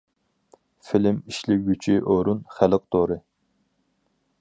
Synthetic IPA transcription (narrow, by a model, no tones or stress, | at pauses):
fɪlɪmiʃlɪɡʲyt͡ʃʰiʔoɾunχælɪq̚t̪ʰoɾɨ